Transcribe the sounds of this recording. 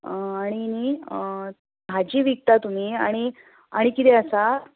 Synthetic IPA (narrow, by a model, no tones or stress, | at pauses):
aɽ̃ini | bʱad͡ʑiːʋik̚t̪at̪um̤iːaɽ̃i | aɽ̃ikit̪ɛəsa